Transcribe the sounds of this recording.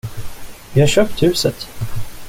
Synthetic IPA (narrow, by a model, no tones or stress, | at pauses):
vɪhaɕœːp̚t̪hʉ̟ːsət̪